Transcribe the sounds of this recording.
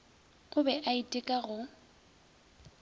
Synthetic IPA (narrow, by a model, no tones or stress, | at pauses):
ʊbɛʔaitʼɪkʼaɣʊ